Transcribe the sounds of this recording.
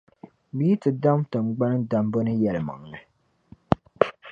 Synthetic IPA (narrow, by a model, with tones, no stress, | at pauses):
biː˦tɨ˨da˦mtɨ˨mɡ͡ba˦nɨ˦da˨m˦bo˦nɨ˦jɛ˨lɨ˨ma̰˨ŋ˨nɨ˨